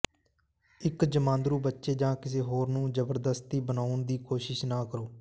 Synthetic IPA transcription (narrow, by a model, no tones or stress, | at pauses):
ɪkd͡ʒəmãːnd̪ɾuːbətːʃeːd͡ʒãːkɪs̬eːɦoːɾnũːd͡ʒəbəɾd̪əst̪iːbənaːʊnd̪iːkoːʃɪʃnaːkəɾoː